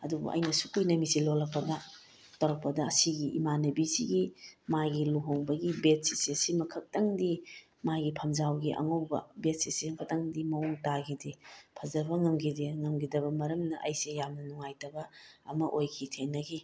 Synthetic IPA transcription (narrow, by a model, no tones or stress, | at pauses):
ɐdubṵʔɐ̰jnɐsukujnɐmisilolɐk̚pːɐdɐ | tɐwɾɐk̚pːɐdɐsiɡiʔḭmanɐbisiɡimajɡiluɦoŋbɐɡibet̚si̥sisimɐkʰɐk̚tɐŋdi | majɡipʰɐmzawɡiʔɐ̰ŋowbɐ̰bet̚sisimɐkʰɐk̚tɐŋdimɐwuŋtaɡidepʰɐzɐbɐŋɐmɡideŋɐmɡidɐbɐmɐɾɐmnɐʔɐjsejamnɐnuŋajtɐbɐɐmɐʔojkʰitʰeŋnːɐɡi